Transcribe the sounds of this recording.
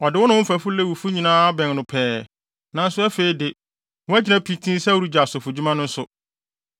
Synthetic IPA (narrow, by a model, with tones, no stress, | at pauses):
ɔ˨dɪ˨wɔ˦nʊ̃˦m̩˦fæ˨fʊ˦le˦˨wu˨fʊ˦ɲĩ˨nãː˦a˦bɛ̃˨ŋ˨nʊ̃˨pʰɛː˨˦ | nã˨n̩˦sʊ˦æ˦fe˨i˦dɪ˨ | wɔ˦ɛ˦d͡ʑɪ˦nã˦pʰi˦tʰĩ˦sɛ˦˨wu˨ɾu˦d͡ʑa˨a˨sʊ˨fʊ˨d͡ʑu˦mã˦nʊ̃˦n̩˦sʊ˨